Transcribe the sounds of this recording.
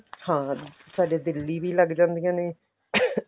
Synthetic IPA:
hãː | saːɖeːd̪ɪlːiːʋiːləɡd͡ʒãːnd̪ijãːneː

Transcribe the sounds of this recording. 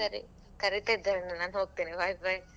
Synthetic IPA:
ɐɾḭ | kɐɾit̪aid̪aɾɐnːɐnaːnɦoːɡ̚t̪iːniʋajbɐj

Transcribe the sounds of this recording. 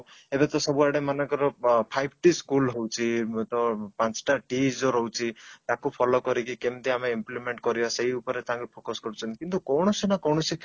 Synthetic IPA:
ebet̪ɔsɔbuaɽemanɔŋkɔɾɔpʰajbʱʈiskulɦowt͡ʃʰit̪ɔpãt͡ʃʈaʈid͡ʒoɾɔwt͡ʃʰit̪akupʰɔlokɔɾikikemt̪iameimplimeɳʈkɔɾibaseɦiupɔɾet̪aãŋkupʰokɔskɔɾut͡ʃʰɔnt̪ikint̪ukɔwɳ̃ɔsinakɔwɳ̃ɔsi

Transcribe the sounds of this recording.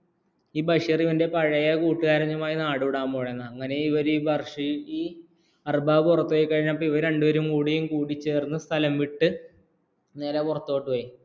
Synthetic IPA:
iːbɐʂiriʋɐnde̞pɐɻɐjɐkuːʈːɨɣaːɾɐɲːɐmaːjinaːɽuʋiɽaːmboːɻenːɐɐŋːɐne̞iʋɐɾubɐrʂijiː | ɐrbaːurɐt̪ːoːjikːɐɻiɲːaːmɐpːoiʋɐɾɾe̞ɳɖuʋɐɾumkuːɽijumkuːɽit͡ɕːeːrunːɐst̪ʰɐlɐmʋiʈːɨ | ne̞ːlekurɐt̪ːo̞ːʈːɨʋɐji

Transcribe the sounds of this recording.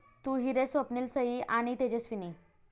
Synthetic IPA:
t̪uːɦiɾesʋəpniːlsəɦiʔaɽ̃it̪ed͡ʑesʋini

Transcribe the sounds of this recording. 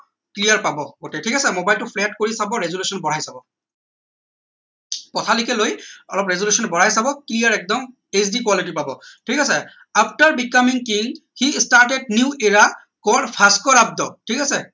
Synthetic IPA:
klijaɹpabɔɡotɛtʰikasɛmobajltʊpʰlɛt̚koɹisabɔɹezolusɔnbɔɹajsabɔ | pɔtʰalʊkɛlojɔlɔpɹezolusɔnbɔɹ̤ajsabɔklijaɹɛk̚dɔm | esdikwalit̬ipabɔtʰikasɛ | apʰtaɹbikamiŋkil | xistaɹʈɛd̚njuʔeɹa | kɔdpʰaskɔɹab̚dɔtʰikasɛ

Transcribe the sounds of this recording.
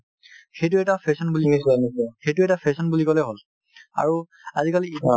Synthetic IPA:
xejtʊɛtapʰesɔnbulinisnisɛxejtʊɛtapʰesɔnbulikɔlɛɦol | a̰ɹu | azikali

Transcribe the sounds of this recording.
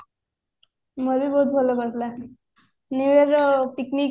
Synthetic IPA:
məɾiboɦut̪̚bʱolokəɾt̪la | niʋeɾpikni

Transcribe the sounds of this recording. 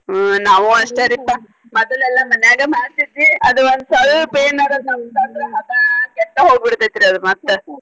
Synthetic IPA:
naːʋuɐʂʈeɾit̪ːa | mɔd̪ɐlɛlːɐmɐnjaːɡemaːɽsit̪ːiɐd̪uond̪usɐɭpeːnɐɾɐd̪nɐmt̪aːt̪ɾɐɦɐt̪ɐkɛʈ̪ːɐɦoːɡ̚biɽt̪ɐt̪ːiɾiɐd̪umɐt̪ːe

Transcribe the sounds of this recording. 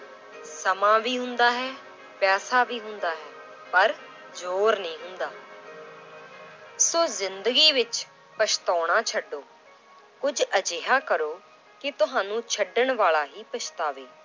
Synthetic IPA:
səmãːʋiːɦʊnd̪aːɦɛː | pɛːsaːʋiːɦʊnd̪aːɦɛː | pəɾ | zoːɾnĩːɦʊnd̪aː | soːzɪnd̪əɡiːʋɪt͡ʃ | pət͡ʃʰt̪ɔːɽ̃aːt͡ʃʰəɖːoː | kʊd͡ʒəd͡ʒeːɦaːkəɾoː | kɪt̪ʊɦãːnũːt͡ʃʰəɖəɳʋaːlaːɦiːpət͡ʃʰt̪aːʋeː

